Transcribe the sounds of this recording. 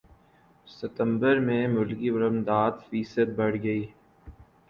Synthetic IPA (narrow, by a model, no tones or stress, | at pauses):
sɪt̪ə̃mbəɾmẽmʊlkibəɾəmd̪aːd̪fiːsəd̪̚bɐɽɡɐiː